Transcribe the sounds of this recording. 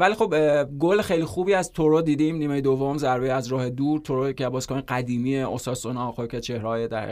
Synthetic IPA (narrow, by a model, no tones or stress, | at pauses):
vælixo̞bɡolexejlixuːbiːæzt̪ʰoɾod̪iːd̪eiːmniːmejed̪ovːomzæɾbejæzɾɒːhe̞d̪uːɾt̪ʰoɾocʰæbɒːskɒːneɡæd̪iːmiːeost̪ɒːsonɒxokʰet͡ʃʰehɾɒːjed̪æɾ̰